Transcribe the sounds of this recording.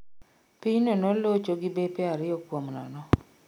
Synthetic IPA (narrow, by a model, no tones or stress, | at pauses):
piɲnonolot͡ʃoɡɪbepɛaɾɪɔkwomnɔ̰nɔ